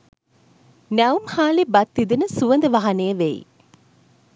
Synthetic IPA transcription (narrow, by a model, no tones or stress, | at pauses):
næumhaːlebɐt̪ːid̪inəsuʋənd̪əʋaɦɐnejəʋeḭ